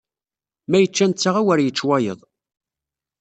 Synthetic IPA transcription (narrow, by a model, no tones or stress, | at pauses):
mæjət͡ʃːænt͡sːaʁawæɾjət͡ʃːwæjə̰ðˤ